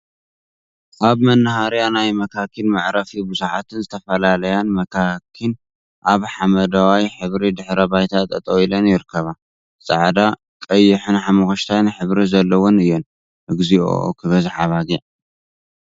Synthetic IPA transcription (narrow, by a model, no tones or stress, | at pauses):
ʔaβmɐnːahaɾjanajmɐkʰakʰːinmaʕɾɐfibɨzuħat̪ʰɨnzɨt̪ʰɐfɐlalɐjanmɐkʰakʰːin | ʔaβħamɐd̪awajħɨβɾid̪ɨħɾɐbajt̪ʰat̪ʼɐt̪ʼɐwilɐnjɪɾɨkʰːɐβa | t͡sʼaʕd̪a | kʼɐjːɪħɨnħamɐxoʃt̪ʰajnɨħɨβɾizɐlːɐwonɨjːon | ʔɨɡzio̰kʰɨβɐzɨħaβaɡiʕ